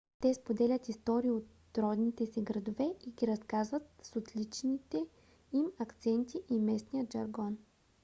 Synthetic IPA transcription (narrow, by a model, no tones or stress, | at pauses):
t̪ɛspod̪ɛlʲət̪ist̪ɔɾiiot̪ | ɾɔd̪nit̪ɛsɛɡɾɐd̪ovɛiɡʲiɾɐskazvət̪sot̪lit͡ʃnit̪ɛ | imɐkt̪sɛnt̪iʔimɛsnijəʒɐɾɡɔn